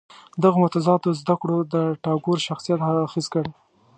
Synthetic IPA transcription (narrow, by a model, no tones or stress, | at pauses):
d̪əɣomʊt̪azɑt̪ozd̪akɽod̪əʈɑɡoɾʃaxsijat̪haxizkəɽ